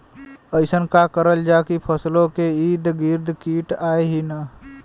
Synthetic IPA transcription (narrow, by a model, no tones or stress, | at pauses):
əɪsənkakəɾəld͡ʒaːkipʰəslõkeiːd̪ɡiɾd̪ʱkiːʈaːeɦina